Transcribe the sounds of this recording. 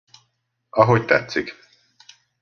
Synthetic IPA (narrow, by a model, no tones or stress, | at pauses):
ɒɦo̞ct̪ɛt̪sik